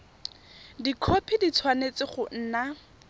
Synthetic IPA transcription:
dikʰopʰidit͡sʰwanet͡sɪχʊn̩ːna

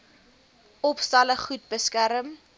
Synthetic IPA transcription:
ɔpstɐləχut̚bəskæɾəm

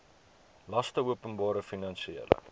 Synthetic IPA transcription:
lɐstəuəpənbɑːɾəfinɐnsiḛlə̰

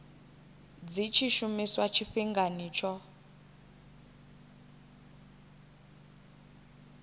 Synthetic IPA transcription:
d͡zit͡ʃʰiʃumiswat͡ʃʰifiŋɡaniːt͡ʃʰɔ

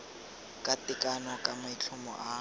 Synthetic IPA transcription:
kʼatɪkʼanɔkʼamait͡ɬʰʊmɔ̰ʔa

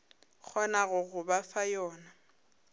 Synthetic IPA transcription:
k͡xʰɔnaɣʊɣʊbafajɔːna

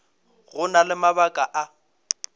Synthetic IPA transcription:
ɣʊnalɪmabakʼaʔa

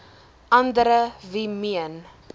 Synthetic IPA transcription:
ʔɐndəɾəvimiən

